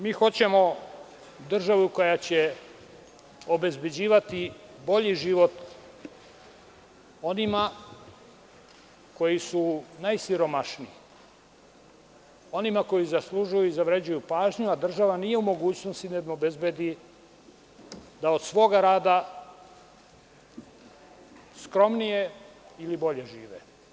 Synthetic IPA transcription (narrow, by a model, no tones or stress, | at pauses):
miːxo̞t͡ɕe̞mo̞ | d̪r̩ʒaʋuko̞jat͡ɕe | o̞be̞zbe̞d͡ʑiːʋat̪ibo̞ʎiʒiʋo̞t̪ | o̞nima | ko̞jisunajsiɾo̞maʃnii | o̞nimako̞jizaslˠuʒujuizaʋɾed͡ʑujupaːʒɲuad̪r̩ʒaʋanije̞umo̞ɡuːt͡ɕnost̪inamobe̞zbed̪i | d̪aod̪̥sʋo̞ːɡaɾaːd̪a | skɾo̞mnije̞ilibo̞ʎe̞ʒiːʋḛ